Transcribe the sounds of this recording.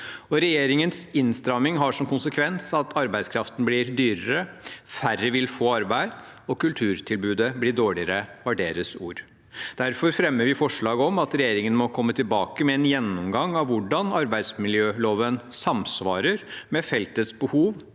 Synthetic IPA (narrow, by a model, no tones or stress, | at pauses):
ɔɾɛjeːɾɪŋənsɪnst̪ɾɑmɪŋɦɑʂɔmkʊnsəkʰʋɛnsɑt̪ʰɑɾbæɪskʰɾɑft̪ən̩blɪɾd̪yːɾəɾəfærəʋɪlfoːɑɾbæɪd̪ | ɔkʉlt̪ʰʉːɾt̪ʰɪlbʉːd̪əblɪːɖoːɭɪəɾəʋɑɖeːɾəsuːɾ | d̪̥æɾfɔɾfɾɛmːəɾʋɪfɔʂɭɑːɡəɔmɑt̪ɾɛjeːɾɪŋənmɔkʰɔmːət̪ʰɪlbɑːkəmɛɛnjɛnːɔmɡɑŋɑʋʋʊɖɑnɑɾbæɪd̪smɪljøːloːʋənsɑmsʋɑːɾəɾmɛfɛlt̪ət̪sbəhuːʋ